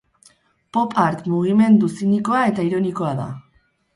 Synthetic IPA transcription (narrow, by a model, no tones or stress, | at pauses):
po̞paɾt̪muɣ̞ime̞nd̪usiniko̞ae̞t̪aiɾo̞niko̞aða̰